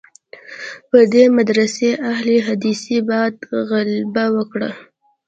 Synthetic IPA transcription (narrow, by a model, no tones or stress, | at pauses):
pəd̪emad̪ɾaseʔahleɦad̪isibɑd̪ɣalbawəkɽa̰